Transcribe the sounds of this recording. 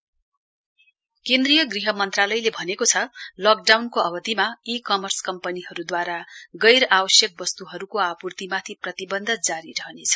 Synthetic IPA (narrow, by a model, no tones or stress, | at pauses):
kẽnd̪rijʌɡriɦʌmʌnt̪ralʌjlebʱʌnekot͡sʰʌlʌk̚ɖawnkoʌbʌd̪imaikʌmʌrskʌmpʌniɦʌɾud̪waɾaɡʌjɾabʌsjʌk̚bʌst̪uɦʌɾukoapurt̪imat̪ʰiprʌt̪ibʌnd̪ʱʌd͡zaɾiɾʌɦʌnet͡sʰʌ̥